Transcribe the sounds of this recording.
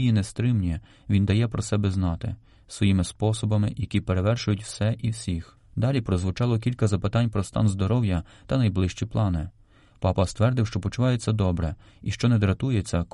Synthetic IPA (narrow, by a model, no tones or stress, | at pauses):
jinɛst̪ɾɪmnʲi | ʋʲind̪ɐjɛpɾɔsɛbɛznɑt̪ɪ̰ | sʋɔjimɪspɔsɔbɐmɪjɐkʲipeɾe̞ʋɛrʃʊjʊtʲw̥sɛʔiwsʲix | d̪ɑlʲipɾɔzʋʊt͡ʃɑlˠɔk̬ʲilʲkɐzɐpɪt̪ɑnʲpɾɔst̪ɑ̰nzd̪ɔɾɔwjɐ | t̪ɐnɐjblˠɪʃt͡ʃiplˠɑnɪ | pɑpɐst̪ʋɛrd̪ɪwʃt͡ʃɔpɔt͡ʃʊʋɑjet͡sʲːɐd̪ɔbɾɛ | iʃt͡ʃɔnɛd̪ɾɐt̪ujet͡sʲːɐk